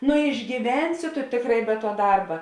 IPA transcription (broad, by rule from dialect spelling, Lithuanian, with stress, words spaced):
nʊ ɪʒʲɡʲiːˈʋʲɛnʲsʲɪ tʊ ˈtʲeːkˌrɑː ɪ bʲɛ tuɔ ˈdɐrbɐ